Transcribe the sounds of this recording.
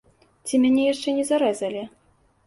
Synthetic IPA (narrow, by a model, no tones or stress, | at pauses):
t͡sʲimʲanʲɛjaʂt͡ʂɛnʲɛzaɾɛzɐlʲi